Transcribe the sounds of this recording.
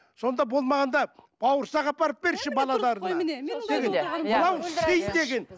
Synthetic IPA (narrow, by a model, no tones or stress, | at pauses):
so̞nd̪ɑbo̞lˠmɑʁɑnd̪ɑb̥ɑwəɾsɑʁɑpɑɾəp̚be̞ɾʃɪbɑlˠɑlˠɑɾənd̪̥eɡeməlˠɑwsejd̪e̞ɡʲe̞n